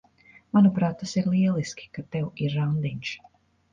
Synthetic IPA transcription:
manupɾaːt̪ːasiɾlˠiɛlˠiskʲi̥kat̪ɛwiɾːawnd̪iɲʲʃ

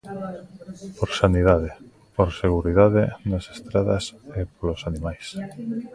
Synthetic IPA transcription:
poɾsaniðaðe | poɾseɣ̞uɾiðaðenase̥st̪ɾaðasepolosanimajs

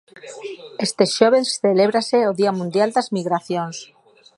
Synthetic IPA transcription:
est̪eʃoβ̞esθeleβɾaseoðiamũnd̪jald̪azmiɣɾaθjons

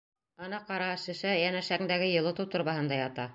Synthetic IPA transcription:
ɑnɑqɑɾɑʃɘ̆ʃæjænæʃæŋd̪æɡɘjɤ̆lˠɤ̆t̪ɤwt̪ŏɾβɑɦɤ̆nd̪ɑjɑt̪ɑ

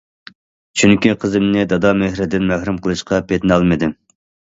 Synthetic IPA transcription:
t͡ʃʰyŋkʲiqʰəzɨmnɪd̪ɑd̪ɑmehɾɪd̪ɪnmæhɾumqʰəlˠɨʃqʰɑpʰet̪nɑlˠmɨd̪ɪm

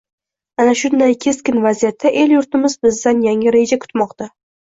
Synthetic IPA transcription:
anaʃʊnd̪ajkʲʰe̞skʲɪnvazijat̪ʰːaʔe̞ljʊɾt̪ɪmɪzbɪzd̪anjaŋʲɪɾe̞d͡ʒakʰʊ̥t̪mɒqt̪ʰa

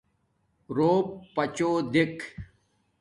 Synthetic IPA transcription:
ɾoːbpɐt͡ɕoːd̪ekʰ

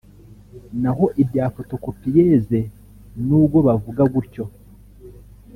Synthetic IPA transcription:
naɦo̞ʔibjaːfoto̞kopijeze̞ | nuːbɡo̞βavuɡaɡuɾco̞

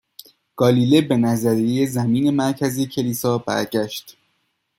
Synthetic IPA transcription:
ɡ̥ɒːliːlebe̞næzæɾiejezæmiːne̞mæɾcʰæzicʰe̞liːsɒːbæ̰ɾɟæʃt̪

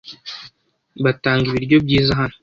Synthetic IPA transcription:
βataːŋɡiβiɾɟo̞b̚ɟiːzaɦano̥

